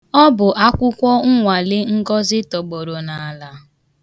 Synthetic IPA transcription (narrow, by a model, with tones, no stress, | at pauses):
ɔ˦bʊ˨ʔa˦kʷʊ˦kʷɔ˦ŋ̩˦ŋʷa˨lɪ˦ŋ̩˦ɡɔ˦zɪ˦tɔ˨ɡ͡bo˨ɾo˨na˨la˦